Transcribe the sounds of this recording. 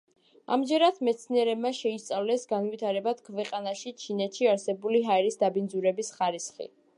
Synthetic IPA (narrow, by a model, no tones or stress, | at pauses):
a̰md͡ʒɛɾad̪mɛt̪sʰniɛɾɛbmaʃɛist̪sʼavlɛsɡanvit̪ʰaɾɛbad̪̥kʰvɛqʼanaʃit͡ʃʰinɛt̪ʰʃiaɾsɛbuliɦaɛɾisd̪abinzuɾɛbisχaɾisχḭ